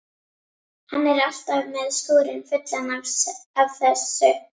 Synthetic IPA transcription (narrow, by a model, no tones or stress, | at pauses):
hanːɛɾal̥t̪avmɛðst̪oːɾɪnfʏt̪lanaɾsavθɛsʏ